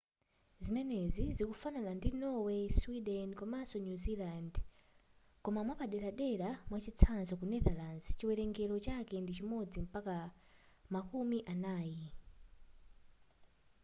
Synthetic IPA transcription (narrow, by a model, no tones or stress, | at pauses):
zimɛnɛzizikufananandinɔwɛswidɛnkɔmasɔnjuziland | kɔmamwapaɗɛɾaɗɛɾamwat͡ʃit͡sʰanzɔkunɛðalanst͡ʃiwɛɾɛŋɡɛlɔt͡ʃakɛndit͡ʃimɔd͡zim̩paka | makumiʔanaːji